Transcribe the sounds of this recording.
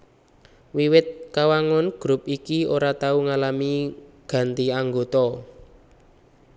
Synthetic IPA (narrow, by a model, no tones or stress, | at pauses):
wiwɪt̪̚kawaŋɔnɡ̥ɾupikioɾat̪auŋalamiɡ̥ä̤nt̪iaŋɡot̪ɔ